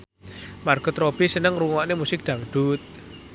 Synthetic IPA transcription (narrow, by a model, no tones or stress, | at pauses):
marɡ̥ɔ̤t̪ɾob̥isənəŋɾuŋɔʔnemusɪk̚d̪̥a̤ŋɖ̪̥ut̪̚